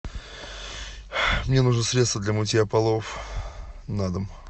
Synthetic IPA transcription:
mnʲe̞nuʐnəsɾʲet̪st̪vəd̪lʲəmʊtʲejɐpɐlˠof | nad̪əm

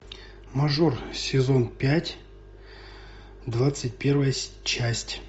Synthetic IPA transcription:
mɐʐorsʲɪzo̞npʲætʲ | d̪vat̪sɨtʲpʲe̞rvəjə | t͡ɕæsʲtʲ

